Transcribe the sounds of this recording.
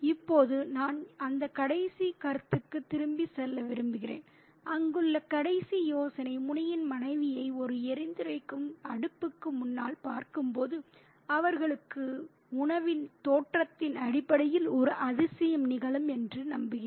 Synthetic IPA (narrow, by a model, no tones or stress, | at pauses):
ɪpːoːðɯnaːnɐnd̪ɐkɐɽɐɪsikɐɾt̪ːɯkːɯt̪ːɪɾɯmbisɛlːɐʋɪɾɯmbɪɣɪrḛːn | ʔɐŋɡɯɭːɐkɐɽɐɪsijoːsɐnɐɪmʊɳɐjɪnmɐnɐɪʋɪjɐɪɔɾɯɛɾɪnd̪ɯɾɐɪkːɯmɐɽɯpːɯkːɯmʊnːa̰ːlpaːɾkɯmpoːðɯ | ɐʋɐɾɣɐɭɯkːɯ | ʊɳɐʋɪnt̪oːʈrɐt̪ːɪnɐɽɪpːɐɽɐjɪlɔɾɯʔɐðɪsɐjɐmnɪɣɐɭɯmɛndrɯnɐmbɯɣɪ